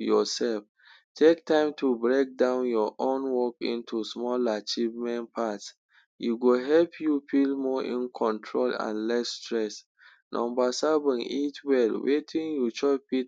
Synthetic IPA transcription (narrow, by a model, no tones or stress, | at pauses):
jɔsɛlf | tʰek̚tãɪ̃mtʰubɹek̚dãʊ̃njɔʔõnwɔkḭ̃ntʰusmɔlat͡ʃivmɛ̃npʰats | juɡoɦɛlpʰjufilmɔʔḭ̃nkʰɔ̃ntʰɹolã̰nlɛsːtɹɛs | nʔɔ̰̃mbasɛvə̃nitʰwɛlwʔetʰĩnjut͡ʃɔpit